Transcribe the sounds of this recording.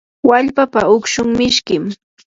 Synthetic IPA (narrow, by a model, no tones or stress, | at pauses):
waʎpapaʊkʃʊŋmɪʃkɪm